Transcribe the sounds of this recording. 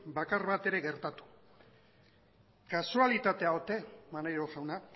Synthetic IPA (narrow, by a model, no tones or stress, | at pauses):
bakaɾβat̪e̞ɾe̞ɣe̞ɾt̪at̪u̥ | kasualit̪at̪e̞aot̪e̞manajɾoʝawna